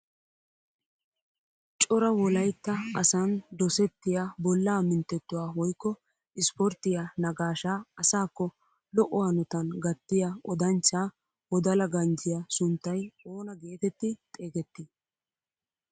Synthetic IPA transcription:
t͡ʃʼɔɾɐwɔlɐjt̪ːɐɐsɐnd̪ɔsɛt̪ːɪjabɔlːaːmɪnt̪ːɛt̪ːʊwaːwɔjkːɔ | ɪspɔɾt̪ɪjanɐɡaːʃaːɐsaːkːɔ | lɔʔɔwanɔt̪ɐnɡɐt̪ːɪjaɔd̪ɐnt͡ʃːaː | wɔd̪ɐlɐɡɐnd͡ʒɪjasʊnt̪ːɐjoːnɐɡe̞ːt̪ɛt̪ːɪt̪ʼeːɡɛt̪ːɪ

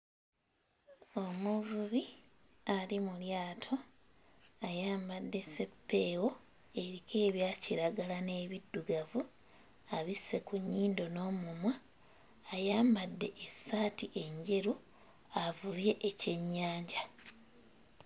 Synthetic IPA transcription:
o̞muvuβi | alimuljaːtʰo̞ | ajaːmbadːe̞sepːeːwo̞ | e̞ɾike̞ːβjaːciɾaɡalane̞ːβidːuɡavu | aβise̞kuɲːiːndo̞no̞ːmumwaː | jaːmbadːe̞ʔesːaːtiʔe̞ɲɟe̞ɾu | avuɾje̞ʔece̞ɲːaːɲɟa

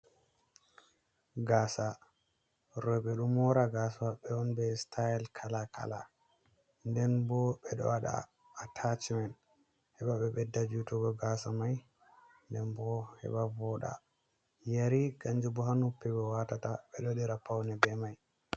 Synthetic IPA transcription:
ɡasa | ɾɔbɛɗumɔɾaɡasawaɓɛɔnbɛstʰajɛlkʰalakʰa̰la̰ | ndɛnbɔɓɛɗɔ̰waɗa̰ː | tʰat͡ʃimɛn | hɛɓaɓɛbɛdad͡ʒutɔɡɔɡasamaj | ndɛnbɔhɛ̰ɓavɔɗa̰ | jaɾiɡaɲd͡ʒubɔɦanupːɛɡɛwatataɓɛɗɔɗiɾapawnɛbɛmaj

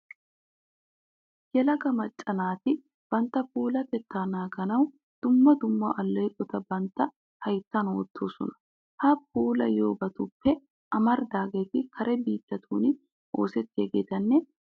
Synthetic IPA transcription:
jɛlɐɡɐmɐt͡ʃʼːɐnaːt̪ɪ | b̥ɐnt̪ːɐpuːlɐt̪ɛt̪ːaːnaːɡɐnɐw | d̪̥ʊmːɐd̪ʊmːɐ̰ʔɐlːɛjkʼɔt̪ɐbɐnt̪ːɐ | hɐjt̪ːɐnoːt̪ʰːo̞ːsɔ̰nɐ̥ | hɐp̚uːlɐ̰jo̞ːbɐt̪ʊpːɛ | ʔɐmɐɾd̪aːɡeːt̪ɪkʰɐɾɛbiːt̪ːɐt̪ʰṵːnɪ | o̞̰ːsɛt̪ːeɡeːt̪ɐnːɛ

